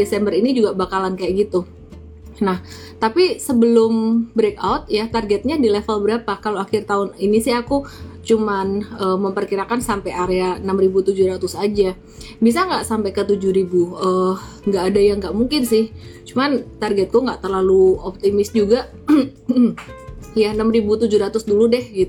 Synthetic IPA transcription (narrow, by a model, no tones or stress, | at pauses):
desɛmbəɾinid͡ʒuɡabakalankajaʔɡit̪u | nah | t̪apisəbəlʊmbɾek̚awt̪̚jat̪arɡɛt̪̚ɲadilɛfəlbəɾapakaloaxɪrt̪aʊninisɪhakut͡ʃumanəːmːəmpərkiɾakansampajaɾeanamribut̪ud͡ʒuɾat̪ʊsad͡ʒa | bis̬aŋɡaʔsampajkət̪ud͡ʒuhɾibuə | ŋɡaʔːdajaŋɡaʔmuŋkɪnsɪht͡ʃumant̪arɡɛt̪̚kuŋɡaʔt̪ərlaluɔp̚t̪imɪsd͡ʒuɡa | janəmribut̪ud͡ʒuɾat̪ʊsduludɛhɡit̪u